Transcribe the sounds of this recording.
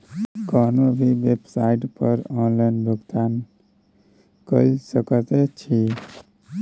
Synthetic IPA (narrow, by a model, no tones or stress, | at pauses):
kɔnobʱiʋebsaiʈpəɾɔ̃nlaɪnbəɡt̪an | kəisəkət̪et͡ʃʰi